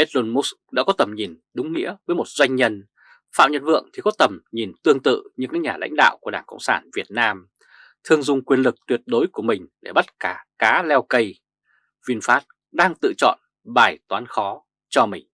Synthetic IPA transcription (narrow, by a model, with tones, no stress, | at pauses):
ʔe˦˥t̚lo˧nmu˦˥s | ɗa̰ː˧˥kɔ˨˦t̪ə˨˩mɲi˨˩nɗʊ˨˦ŋ͡mːḭ˧˥əvəː˨˦jmo˨˩t̚z̥wa˧jŋ̟ɲə˧n | fa̰ː˧˨wɲə̰˧˨nvɨ̰˧˨əŋt̪ʰi˨˩kɔ˨˦t̪ə˨˩mɲi˨˩nt̪ɨ˧əŋt̪ɨ̰˧˨ɲɨ˧ŋkaː˨˦˥ɲaː˨˩la̰˧˥jŋ̟ɗa̰ː˧˨wku˧˩əɗaː˧˩ŋkə̰˧˨wŋ͡msaː˧˩nvi˨˩ət̚naː˧m | t̪ʰɨ˧əŋzʊ˧ŋ͡mkwi˧ənlɨ˨˩k̚t̪wi˨˩ət̚ɗo˨˦jku˧˩əmï˨˩ŋ̟ɗe˧˩ɓə˦˥t̚kaː˧˩kaː˨˦lɛ˧wkə˧j | vi˧nfaː˦˥t̚ | ɗaː˧ŋt̪ɨ̰˧˨t͡ɕɔ̰˧˨n | ɓaː˨˩jt̪waː˨˦nxɔ˨˦ | t͡ɕɔ˧mï˨˩ŋ̟